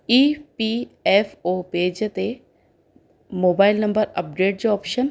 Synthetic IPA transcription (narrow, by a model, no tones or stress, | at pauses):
iːpiefoːpeːd͡ʑt̪e | moːbaːɪlnɐ̃mbəɾɐ̰p̚ɖeːʈ̚d͡ʑoɔːpʃən